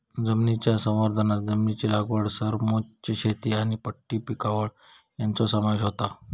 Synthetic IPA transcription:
d͡zəmnit͡ɕjasə̃w̃ʋəɾd̪ʱənat̪d͡zəmnit͡ɕilaɡʋəɽsəɾmot͡ɕiɕet̪iaɽ̃ipəʈːiːpikaʋəɭjant͡sɔsəmaʋeɕɦot̪a

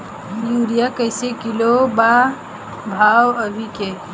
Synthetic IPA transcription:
juːɾijakəjsekɪloba | bʱaːwəbʱike

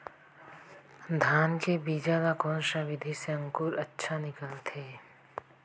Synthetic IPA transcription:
d̪ʱaːnkebiːd͡ʒaːlakoːnʃaʋɪd̪ʱiseə̃ŋkuːɾɐtːʃʰanɪkəlt̪ʰeː

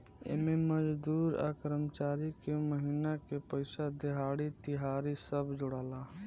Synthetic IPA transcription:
ḛmeməd͡ʒd̪uːɾa̰ːkɾəmt͡ʃaːɾikeməɦinakepəɪsad̪ɪɦaːɽit̪ɪɦaːɾisəbd͡ʒʊɽaːlaː

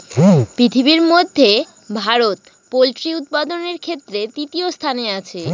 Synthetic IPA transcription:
pɾit̪ʰibiɾmod̪ʱːe | bʱaɾot̪̚ | polʈɾiut̪̚pad̪oneɾkʰet̪ːɾet̪it̪iost̪ʰaneat͡ɕʰe

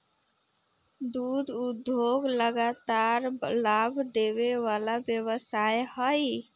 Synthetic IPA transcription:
d̪ud̪ud̪ʱjoɡləɡat̪aɾlabʱd̪eβeʋalabjəβəsajhəj

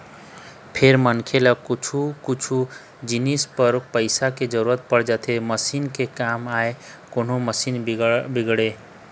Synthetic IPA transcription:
pʰeɾmənkʰelakut͡ʃʰukut͡ʃʰu | d͡ʒinispəɾpəɪsaked͡ʒəɾuɾət̪̚pəɽd͡ʒat̪ʰeməsinkekamae | kon̤oməsinbiɡɽe

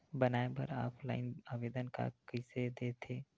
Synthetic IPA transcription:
bənaːebə̰ɾaːpʰla̰ːɪnaːʋeːd̪ənka̰kəɪsed̪et̪ʰeː

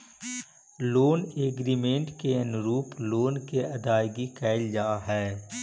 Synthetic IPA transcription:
loːneːɡɾiːmẽːɳʈkeənɾuːploːnkeɐd̪aːɪɡikɛːɪld͡ʒaːɦɛː

